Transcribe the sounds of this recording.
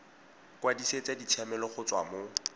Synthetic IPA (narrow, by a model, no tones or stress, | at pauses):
kʼwadiset͡sʼadit͡sʰjamɛlɔχʊt͡sʼwa̰mo